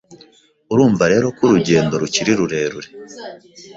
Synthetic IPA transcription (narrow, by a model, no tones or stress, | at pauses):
uɾuːɱvaɾe̞ːɾo̞kuɾuɟe̞ːndo̞ɾuciɾiɾuɾe̞ːɾuɾe